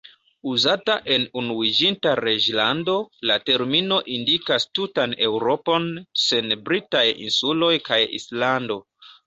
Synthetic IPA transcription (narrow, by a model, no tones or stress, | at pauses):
uzataʔe̞nunuid͡ʒintaɾe̞d͡ʒlando̞late̞ɾmino̞ʔindikastutane̞wɾo̞po̞nse̞nbɾitajḭnsulo̞jkajḭslando̞